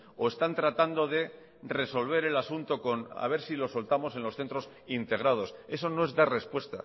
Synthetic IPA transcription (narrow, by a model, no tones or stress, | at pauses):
o̞e̞st̪ant̪ɾat̪and̪o̞ðe̞ | re̞so̞lβ̞e̞ɾe̞lasunt̪o̞ko̞na̰β̞e̞ɾsilo̞so̞lt̪amo̞se̞nlo̞sθe̞nt̪ɾo̞s | int̪e̞ɣ̞ɾað̞o̞se̞sono̞e̞zd̪are̞spwe̞st̪a̰